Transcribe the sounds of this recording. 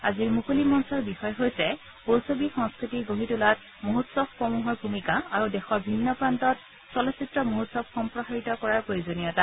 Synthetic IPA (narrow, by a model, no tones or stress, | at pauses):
aziɹmukulimɔnsɔɹbixɔjɔɦojsɛ | powsobixɔŋskɹitiɡoɦitulat̚ | moɦutsɔb̚pɹɔmuɦɔɹbʱumikaaɹudɛxɔɹbʱinːɔpɹantɔt̚ | sɔlɔsitɹɔmoɦutsɔb̚xɔmpɹɔɦaɹitɔkɔɹaɹpɹojuzonijɔta